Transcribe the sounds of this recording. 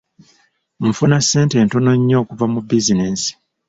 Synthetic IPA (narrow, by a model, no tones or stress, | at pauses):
m̩funasːe̞ːnte̞ːntono̞ɲːo̞ːkuvamubizineːsi̥